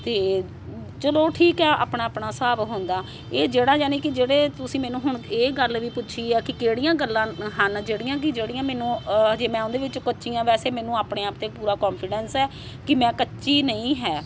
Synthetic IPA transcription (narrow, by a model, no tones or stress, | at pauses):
t̪eː | t͡ʃəloːʈʰiːkɦɛːa̰ːpɳaːpɳaːsaːbɦʊ̃ːnd̪aː | eːd͡ʒeːɽãːd͡ʒaːnĩːkɪd͡ʒeːɽeːt̪ʊsĩːmɛ̃ːnũːɦʊɳeːɡəlʋiːpʊtːʃʰiːɛːkɪkeːɽijãːɡəlːãːɦənd͡ʒeːɽijãːk̬ɪd͡ʒeːɽijãːmɛ̃ːnũːd͡ʒeːmɛ̃ːõʊ̃nd̪eːʋɪt͡ʃkətːʃijãːʋɛːseːmɛːnũːaːpɳeːaːpt̪eːpuːɾaːkɔːnpʰɪɖɛnsɛː | kɪmɛ̃ːkətːʃiːnəĩːɦɛː